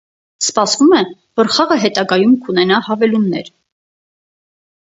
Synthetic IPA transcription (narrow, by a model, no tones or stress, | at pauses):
spɑsvumɛ | vəɾχɑʁəɦɛt̪ɑɡɑjumkʰunɛnɑhɑvɛlunːɛ̰ɾ